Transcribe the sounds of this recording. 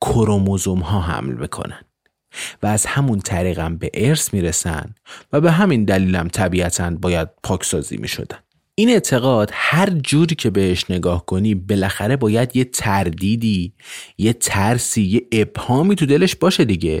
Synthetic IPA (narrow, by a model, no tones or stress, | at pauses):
kʰoɾomozomhɒːɦæ̰mlmḭkʰo̞̰nænd̪̥ | væːz̥hæmunt̪ʰæɾiːɣæmbe̞ʔeɾsmiːɾe̞sæ̰nd̪væbe̞ɦæmind̪æliːlæmt̪ʰæbiːæt̪ʰænbɒːjæd̪̥̚pʰɒːcʰsɒːzḭːmḭʃo̞̰d̪æn̥ | ʔiːne̞ʔt̪ʰe̞ɣɒːd̪̥hæɾd͡ʒuːɾiːcʰe̞be̞heʃne̞ɡɒːhkʰo̞niːbe̞læxæɾe̞bɒːjæd̪je̞t̪ʰæɾd̪iːd̪iːje̞t̪ʰæɾsiːjeʔeb̥hɒːmiːt̪ʰud̪e̞le̞ʃbɒːʃe̞d̪iɟe̞